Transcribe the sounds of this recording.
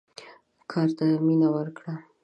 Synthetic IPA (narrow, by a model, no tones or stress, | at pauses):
kʰɑɾt̪aminawəɾkɽa